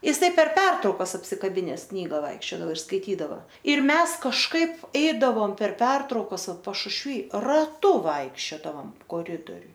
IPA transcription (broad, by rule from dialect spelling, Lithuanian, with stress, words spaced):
jɪˈsɐɪ pʲɛr ˈpʲɛrtrɐʊkɐs ɐpʲsʲɪkɐˈbʲɪnʲɛs ˈknʲiːɡɐ ˈʋɐɪkʃʲt͡ʃʲoːdɐʋoː ɪr skɐɪˈtʲiːdɐʋɐ ɪr ˈmʲɛs kɐʃˈkɐɪp ˈɛɪdɐʋoːm pʲɛr ˈpʲɛrtrɐʊkɐs ˈʋɐt pɐʃʊʃʲˈʋʲiː rɐˈtʊ ˈʋɐɪkʃʲt͡ʃʲoːdɐʋoːm koːˈrʲɪdoːrʲʊj